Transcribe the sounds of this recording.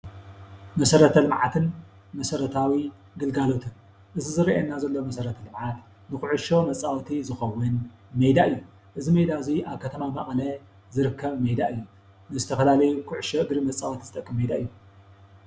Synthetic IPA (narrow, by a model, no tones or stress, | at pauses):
mɐsɐɾɐt̪ʰɐlɨmʕat̪ʰɨn | mɐsɐɾɐt̪ʰawi | ɡɨlɡalo̞t̪ʰɨn | ʔɨzizɨɾiʔenːazɐlːomɐsɐɾɐt̪ʰɐlɨmʕat̪ | nɨkuʕuʃo̞mɐt͡sʼːawt̪ʰizɨxɐwːʊn | mejd̪aʔɨjːu | ʔɨzimed̪aɨziʔaβkʰɐt̪ʰɐmamaχʼlɐ | zɨɾɨkʰːɐβmed̪aʔɨjːu | nɨzɨt̪ʰɐfɐlalɐjukʰuʕuʃoɨɡɾimɐt͡sʼːawt̪ʰizɨt̪ʼɐkʼːɨmːed̪aɨjːu